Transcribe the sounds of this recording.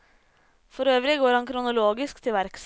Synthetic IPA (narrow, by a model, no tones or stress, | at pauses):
fɔɾøːʋɾɪɡoːɾhɑŋkʰɾʊnʊloːɡɪskt̪ʰɪlʋæɾks